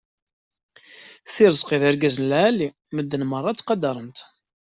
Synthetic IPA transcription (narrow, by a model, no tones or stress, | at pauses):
θiɾəzqiðæɾɡæzənlʕælːi | məd̪ːənmərˤːɑt̪qɑd̪ɑɾˤənt̪